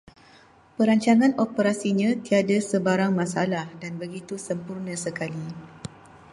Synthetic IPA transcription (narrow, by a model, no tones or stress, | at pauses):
pəɾaɲt͡ʃaŋãnopəɾasiɲãt̪iadasəbaɾaŋmãsa̰lahdanbəɡit̪usəmpurnãsəkali